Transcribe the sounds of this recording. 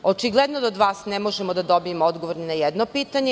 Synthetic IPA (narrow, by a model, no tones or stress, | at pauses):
ot͡ʃiɡlˠɛd̪nod̪aod̪ʋaːsnemo̞ʒemod̪ad̪obijemood̪ɡoʋoɾninajɛd̪nopiːt̪aɲe